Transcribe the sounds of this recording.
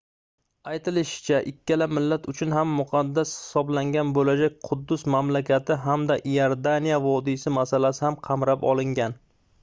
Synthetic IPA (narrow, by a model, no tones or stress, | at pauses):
ajt̪ʰɪlɪʃɪ̥t͡ʃʰaʔɪkʲʰːalamɪlːat̪ʊt͡ʃʰʊnɦamːʊqʰɑd̪ːashɪ̥sɒblaŋɡʲanbolad͡ʒak̚ʲqʰʊd̪ːʊsmamlakʲat̪ʰɪɦamd̪aʔjaɾd̪anijavɒd̪isɪmasalasɪhamqʰɑmɾapɒ̰lˠɪŋɡʲan